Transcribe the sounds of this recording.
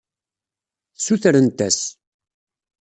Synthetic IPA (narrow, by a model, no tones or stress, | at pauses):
θsuθɾənt̪æs